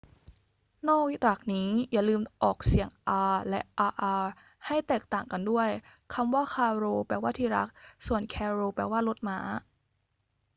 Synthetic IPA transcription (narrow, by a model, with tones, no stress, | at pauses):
nɔː˥˩k̚t̪aː˨˩k̚niː˦˥jaː˨˩lɯː˧mʔɔː˨˩k̚si˨˩əŋʔaː˧lɛ˦˥ʔaː˧ʔaː˧ | ha˥˩jt̪ɛː˨˩k̚t̪aː˨˩ŋka˧ndu˥˩əjkʰa˧mwaː˥˩kʰaː˧ɾoː˧pɛː˧˩waː˥˩t̪ʰiː˥˩ɾa̰˦˥k̚su˨˩ənkʰɛː˧ɾoː˧pɛː˨˩waː˥˩lo˦˥t̪̚maː˦˥